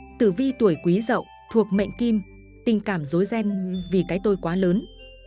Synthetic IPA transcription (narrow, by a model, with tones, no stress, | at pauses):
t̪ɨ̰˧˨vi˧t̪u˧˩əjkwi˨˦zə̰˧˨w | t̪ʰu˨˩ək̚mə̰˧˨ŋ̟ki˧m | t̪ï˨˩ŋ̟kaː˧˩mzo˨˦jzɛ˧nvi˨˩kaː˨˦jt̪o˧jkwaː˨˦ləː˨˦n